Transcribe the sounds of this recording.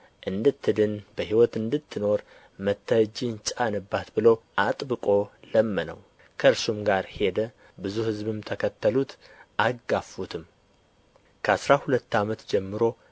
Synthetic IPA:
ʔɨnd̪ɨt̪ʰːɨd̪ɨnbəhiwɔt̪ɨnd̪ɨt̪ʰːɨno̞ɾ | mət̪ʰːəd͡ʒint͡ʃʼanɨbːat̪bɨləwʔat̪ʼbɨkʼo̞ləmːənə̰w | kʰəɨɾsumɡaɾhe̞d̪ə | bɨzuhɨzβɨmt̪ʰəkʰət̪ʰːəlut̪ʔaɡafut̪ʰɨm | kʰəasɾahulət̪ːamət̪d͡ʒɛmːɨɾo̞

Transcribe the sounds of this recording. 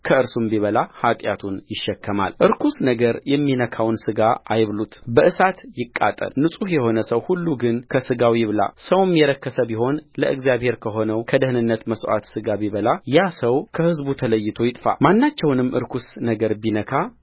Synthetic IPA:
kʰəɨɾsumbiβəlahat̪ʼjat̪ʰunjɪʃːɛkːəma̰lʔɨɾkʰusnəɡəɾjɛmːinəkʰawnsɨɡaajβlut̪bəʔɨsat̪jɪkʼːa̰t̪ʼə̰lnɨsʼuhjɛho̞nəsəwhulːuɡɨnkʰəsɨɡawijɪβla̰səwmjɛɾəkːəsəbiho̞nləʔɨ̰ɡzjaβhe̞ɾkʰəɦo̞nəwkʰəd̪əhnɨnːət̪məsʔa̰t̪sɨɡabiβəlajasəwkʰəhɨzbut̪ʰələjːɪt̪ʰo̞jɪt̪ʼfa̰manːat͡ʃːɛwnɨmːʔɨ̰ɾkʰusnəɡəɾbinəkʰa

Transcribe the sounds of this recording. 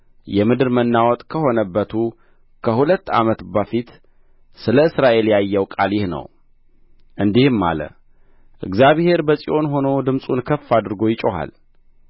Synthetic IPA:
jɛmɨd̪ɨɾmənːawɔt̪ʼkʰəho̞nəbːət̪ʰu | kʰəhulət̪ːa̰mət̪bəfit̪ | sɨləɨsɾaʔe̞ljajːɛwkʼaljɪhnə̰w | ʔɨnd̪ihmːa̰lə̰ | ʔɨ̰ɡzjaβhe̞ɾbəsʼiʔo̞nɦo̞no̞d̪ɨmsʼunkʰəfːad̪ɨɾɡo̞jɪt͡ʃʼoɦa̰l

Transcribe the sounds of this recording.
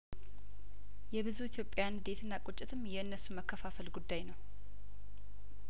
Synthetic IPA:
jɛbɨzuit̪ʰjo̞pʼːjand̪e̞t̪ʰɨnːakʼot͡ʃʼːɪt̪ʰɨmjɛɨnːəsːuməkʰːəfafəlɡud̪ːajnəw

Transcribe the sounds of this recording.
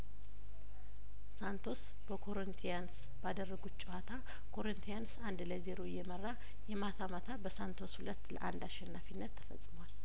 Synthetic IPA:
sant̪ʰo̞s | b̥əkʰo̞ɾənt̪ʰijans | bad̪ərːəɡut̪̚t͡ʃʼɛhat̪ʰa | kʰo̞ɾənt̪ʰijansand̪ləzeɾojːɛmərːa | jɛmat̪ʰamat̪ʰabəsant̪ʰo̞shulət̪ːlə̰ʔa̰nd̪aʃɛnːafinːət̪ʰːə̥fə̰sʼɨmoal

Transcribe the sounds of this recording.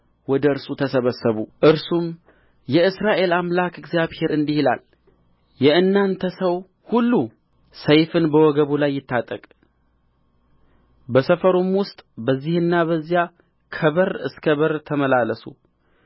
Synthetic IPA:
wɔd̪əɨɾsut̪ʰəsəβəsːəβuʔɨɾsum | jɛɨsɾaʔe̞lamlakɨɡzjaβhe̞ɾɨnd̪ihila̰l | jɛɨnːant̪ʰəsəw | hulːu | səjfɨnbəwɔɡəβulajːɪt̪ːat̪ʼəkʼ | bəsəfəɾomwʊst̪ʼbəzːihɨnːaβəzːija | kʰəβəɾɨskʰəβəɾt̪ʰəməlaləsṵ

